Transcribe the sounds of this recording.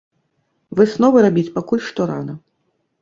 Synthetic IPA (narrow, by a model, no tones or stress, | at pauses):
vɨsnɔvɨɾabʲit͡sʲpakulʲʂt̪ɔɾa̰nɐ